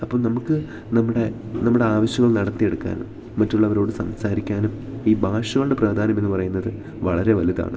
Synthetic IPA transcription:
ɐpːoːɭnɐmukːɨ | nɐmːuɽe̞nɐmːuɽe̞aːʋɐɕjɐŋːɐɭnɐɽɐt̪ːije̞ɽukːa̰ːnumː | ɐtːuɭːɐʋɐɾo̞ːɽɨsɐmsaːɾikʲːaːnum | iːbʱaːʂɐɣɐɭɽepraːd̪ʱaːnɐmenːɨpɐrɐjunːɐðɨ | ʋɐɭɐɾe̞ʋɐliða̰ːɳɨ

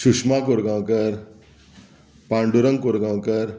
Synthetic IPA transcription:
ɕuʂmakoɾɡawkəɾ | pãɳɖuɾəŋkoɾɡãʋkəɾ

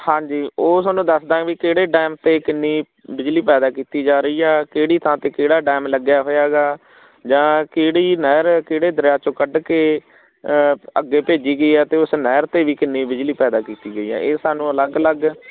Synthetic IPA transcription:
hãːɲd͡ʒiːoːsaːnũːd̪əsd̪ãːʋiːkeːɽeːɖɛːmt̪eːkɪnːiː | bɪd͡ʒliːpɛːd̪aːkiːt̪iːd͡ʒaːɾəiːɛːkeːɽiːt̪ʰãːt̪eːkeːɽaːɖɛːmləɡjaːɦoːjaːɡaː | d͡ʒãːkeːɽiːnɛːɾkeːɽeːd̪əɾjaːt͡ʃõːkəɖkeː | əɡːeːpeːd͡ʒiːɡəiːɛːt̪eːʊsnɛːɾt̪eːʋiːkɪnːiːbɪd͡ʒliːpɛːd̪aːkiːt̪iːɡəiːɛ̰̃ːeːsaːnũːələɡələɡ

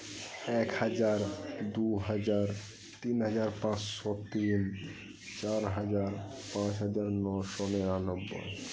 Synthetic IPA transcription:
ɛkhad͡ʑaɾd̪uɦad͡ʑaɾ | t̪inɦad͡ʑaɾpãt͡ɕʃɔt̪in | t͡ɕaɾɦad͡ʑaɾpãt͡ɕɦad͡ʑaɾnɔʃɔneanobːo̰j

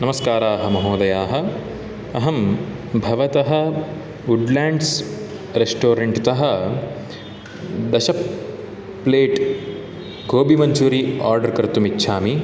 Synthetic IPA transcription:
nɐmɐskaːɾaːɦɐmɐɦoːd̪ɐjaːɦɐ̆ | ɐɦɐm | bʱɐʋɐt̪ɐɦɐ̆ | uɖlaːɳɖs | ɾesʈoːɾeɳʈt̪ɐɦɐ̆ | d̪ɐʃɐpː | leːʈ | ɡʱoːbimɐɲt͡ʃuːɾiaːɾɖɐɾkɐɾt̪umitːʃʰaːmi

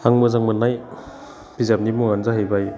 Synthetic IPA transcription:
aŋmɯzaŋmɯnaj | b̥izap̚nimuŋanzaɦajbaj

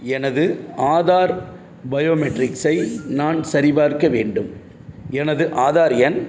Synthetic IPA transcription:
ɛnɐðɯʔaːðaːɾ | bɐjoːmɛʈɾɪksɐɪnaːnsɐɾɪbaːɾkɐʋeːɳɖɯm | ɛnɐðɯʔaːðaːɾɪjɐn

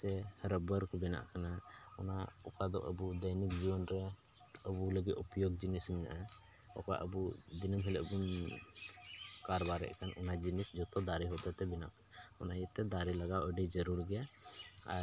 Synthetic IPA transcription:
t̪ɛhɾəbəɾkbɛna̰ʔkanaɔnaɔkad̪ɔ̰ʔəbud̪əjnik̚d͡ʒibɔnɾɛ | əbuləɡit̪upjoɡ̚d͡ʒinismɛna̰ʔa | ɔ̰ka̰ʔəbub̪inəmɦiləʔbun | kaɾbaɾɛ̰ʔkanɔnad͡ʒinisd͡ʒɔt̪ɔd̪aɾiɦɔd̪ɔt̪ɛbina̰ʔkanaɔnajət̪ɛd̪aɾilaɡawəɖid͡ʒəɾuɾɡɛjaa̰

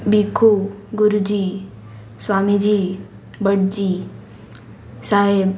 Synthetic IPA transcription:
bikʰoɡuɾud͡ʑiː | swaːmid͡ʒi | bəɽd͡ʒi | saːɦeb

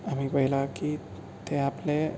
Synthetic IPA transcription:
am̤iːpəɦilaki | t̪eaple

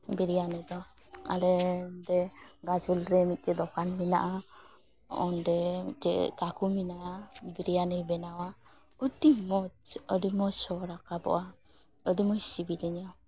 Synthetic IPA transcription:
bɛɾijanɯjd̪ɔ | a̰lɛdɛɡad͡ʒulɾɛmit̪̚ˀkɛd̪ɔkanmina̰ʔa | ɔndɛkɛkakuminaʔabɛɾijanɯjbɛnawa | ɔdimɔɔdimɔsɔɾakabɔ̰ʔa | ədimɔst͡ʃibilɛɲɔ

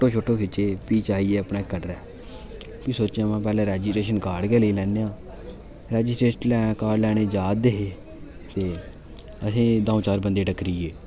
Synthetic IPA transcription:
oʈõːt͡ʃʰoːʈʰːõːkʰɪt͡ʃːeːpiːt͡ʃaːiːeːəpɳaːkəɖɾɛː | kiːsoːt͡ʃãmɛ̃ːpɛːlɛ̃ːɾɛːd͡ʒɪsʈɾeːʃənkaːɽɡɛːləiːlɛːneːãː | ɾɛːd͡ʒɪsʈɾeːʃənlɛːaːkaːɽlɛːɽeːd͡ʒaːd̪eɦeː | t̪eː | əsĩːd̪ãːõːt͡ʃaːɾbənd̪eːʈəkɾiːeː

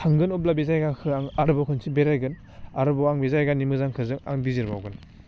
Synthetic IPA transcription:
tʰaŋɡɯnub̚labezajɡakʰɯaŋaɾɯbɔkʰɯnsʰibeɾajɡɯn | aɾɯbɔaŋbezajɡanimɯzaŋkʰɯzɯŋa̰ŋdiziɾbawɡɯn

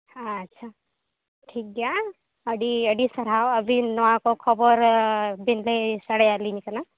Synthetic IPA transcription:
hãːtːʃʰa | ʈʰik̚ɡa | əɖiəɖisəɾawəbʱinɔwakɔkʰɔbɔɾbinlesaɽejalinikana

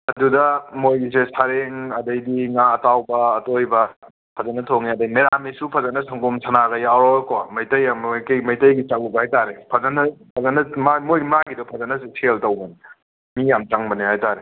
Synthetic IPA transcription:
ɐdudɐmojɡisesaɾeŋɐdɐjdiŋaːtawbɐːtojbɐ | pʰɐzɐnɐtʰoŋiɐdɐjmeɾamisupʰɐzɐnɐsɐŋkumsʰɐnaɡɐjawɾokomɐjtɐjamkjmɐjtɐjɡit͡ʃaŋubhajtaɾepʰɐzɐnɐpʰɐzɐnɐmamojɡimaɡidupʰɐzɐnɐsesʰeltɐwbɐni | mijamt͡ʃaŋbɐnihajtaɾe

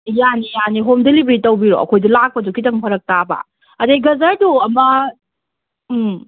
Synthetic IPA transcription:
janijaniɦomdelibɾitɐwbiɾo̰ɐ̰kʰojdɐlak̚pɐdukʰitɐŋpʰɐɾɐk̚taba̰ | ɐdeɡɐzaɾduɐmɐ

